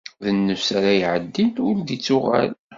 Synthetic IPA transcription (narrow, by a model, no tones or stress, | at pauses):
ðənːəsaɾajʕəd̪ːinʊɾd̪it͡sːʊʁæ̰l